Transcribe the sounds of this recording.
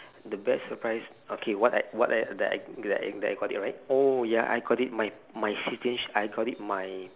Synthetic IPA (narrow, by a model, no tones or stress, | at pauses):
dəbɛtsəpɹaɪs | okʰewɔta̰wɔtadɛ̰a̰jdɛta̰dɛa̰jɡɔtḭt̚ɹaɪt̚ojaʔa̰jɡɔtit̚maj | majsitə̃nsajɡɔtit̚maj